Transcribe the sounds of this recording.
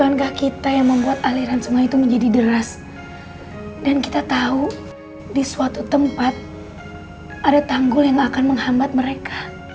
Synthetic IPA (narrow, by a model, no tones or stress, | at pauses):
kankahkit̪ajaŋməmbuat̪aliɾansuŋait̪uməɲd͡ʒadidəɾas | danki̥t̪at̪au | disuat̪ut̪əmpat̪̚ | ʔadat̪aŋɡʊljaŋakanməŋhambat̪̚məɾekḁ